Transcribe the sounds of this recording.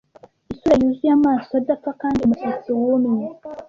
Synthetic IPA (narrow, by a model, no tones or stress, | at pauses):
isuɾajuzujamaːsadafakaːndiumusit͡siwunu